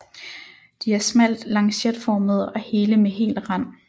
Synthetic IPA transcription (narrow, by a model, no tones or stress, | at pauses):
d̥iæɐsmæl̰d̥lɑ̈ŋsed̥fɒːməð̞̩ˠɒ̽he̝ːləmeɦe̝̰ːld̥ʁɑn̰